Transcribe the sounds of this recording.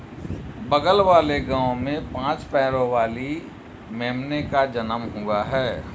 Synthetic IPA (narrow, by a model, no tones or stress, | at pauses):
bəɡəlʋaːleɡãːʊ̃mẽpãːt͡ʃpɛːɾoʋaːli | meːmnekad͡ʒənəmɦuaɦɛː